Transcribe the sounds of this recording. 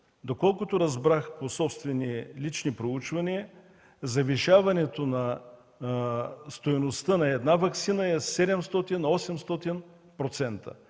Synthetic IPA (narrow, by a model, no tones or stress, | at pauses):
d̪okɔlˠkʊt̪oɾɐzbɾaxposɔpst̪vɛnilit͡ʃnipɾout͡ʃvɐniə | zɐviʃavɐnɛt̪onɐ | st̪ojnost̪ənɐɛd̪navɐksinəɛsɛd̪ɛmst̪ɔt̪inɔsɛmst̪ɔt̪in | pɾot̪sɛnt̪ə̰